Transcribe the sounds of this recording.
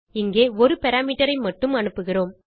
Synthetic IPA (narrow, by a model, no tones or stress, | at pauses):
ɪŋɡeːɔɾɯpɛɾaːmiːʈɐɾɐɪmɐʈːɯmɐɳɯpːɯɣɪroːm